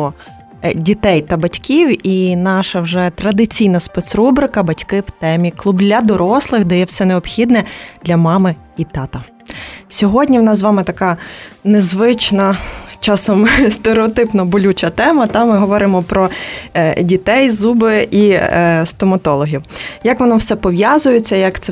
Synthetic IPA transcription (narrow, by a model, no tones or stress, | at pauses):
ɔ | dʲit̪ɛjt̪ɐbɐtʲkʲiwinɑʃɐwʒɛt̪ɾɐd̪ɪt͡sʲijnɐspɛt̪sɾubɾɪkɐbɐtʲkɪwt̪ɛmʲiklˠublʲːɐd̪ɔɾɔslˠɪxd̪ɛjɛwsɛneɔpxʲid̪nɛd̪lʲɐmɑmɪ | it̪ɑt̪ɐ | sʲɔɦɔdʲnʲiʋnɑszzʋɑmɪt̪ɐkɑnezʋɪt͡ʃnɐt͡ʃɑsɔmst̪eɾeɔt̪ɪpnɔbʊlʲut͡ʃɐt̪ɛmɐt̪ɑmmːɪɦɔʋɔɾɪmɔpɾɔ | dʲit̪ɛjzubɪʔist̪ɔmɐt̪ɔlˠɔɦʲiwjɐkʋɔnɔwsɛpɔʋjɑzʊjet͡sʲːɐjɐkt̪sɛ